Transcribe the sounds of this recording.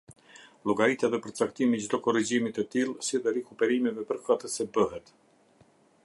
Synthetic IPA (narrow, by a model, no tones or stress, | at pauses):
lˠɔɡaɾit̪ɛðɛpəɾt͡sakt̪imid͡ʒd̪ɔkɔrid͡ʑimit̪ət̪ilˠsiðɛɾɛkupɛɾimɛvɛpəɾkat̪əsɛbəɦɛt̪